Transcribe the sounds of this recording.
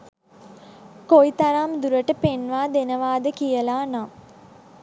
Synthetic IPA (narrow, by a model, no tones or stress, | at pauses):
koit̪aɾamd̪uɾəʈəpenʋaːd̪enəʋaːd̪əkijəlaːna